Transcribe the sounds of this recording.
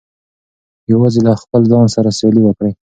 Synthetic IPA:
jawɑzelaxpəlzɑnsaɾaseliwəkɽə

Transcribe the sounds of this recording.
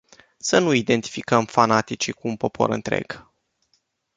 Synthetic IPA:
sənuid̪e̞nt̪i̥fikəmfanat̪it͡ʃikuːnpo̞po̞̰ɾɨnt̪ɾe̞̰ɡ̥

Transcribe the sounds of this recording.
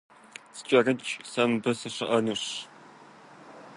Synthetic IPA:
sɨ̥t͡ʃʼɐrɨt͡ʃʼsɐmbɨsɨɕɐʔɐnɨɕ

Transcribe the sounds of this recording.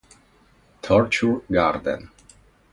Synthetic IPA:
t̪ʰɔɹt͡ʃuɹɡaɾd̪ə̰n

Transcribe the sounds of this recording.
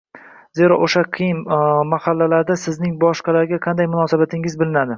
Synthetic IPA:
ze̞ɾɒʔoʃaqʰɨjɪnmahalːalaɾd̪asɪznɪŋbɒʃqɑlaɾɡʲaqʰɑnd̪ajmʊnɒːsabat̪ʰɪŋɪzbɪlɪnad̪ɪ

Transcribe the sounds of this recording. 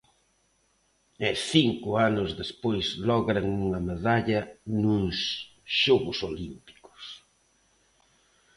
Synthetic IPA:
ɛθiŋkʊanʊzðespojzlɔɣɾaŋuŋɐmeðaʎɐnuŋs | ʃoɣʊsolimpi̥kʊ̥s

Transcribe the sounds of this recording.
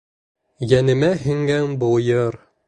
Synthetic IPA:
jænɘ̆mæhɘ̆ŋɡænbujɤɾ

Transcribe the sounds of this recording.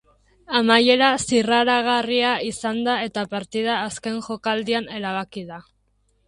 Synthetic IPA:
amaje̞ɾasiraɾaɣ̞ariaisand̪ae̞t̪apaɾt̪iðaːske̞ŋʝo̞kald̪iane̞ɾaβakið̞a

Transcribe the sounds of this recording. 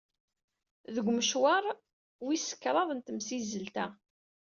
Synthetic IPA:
ðəɡʷməʃwɑɾˤ | wisə̥kːɾˤɑðˤənt̪əmsizːəlt̪æ

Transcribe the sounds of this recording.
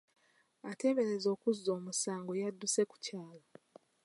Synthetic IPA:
ate̞ːβe̞ɾe̞zo̞ːkuzːo̞ːmusaːŋɡo̞jadːuse̞ku̥caːla

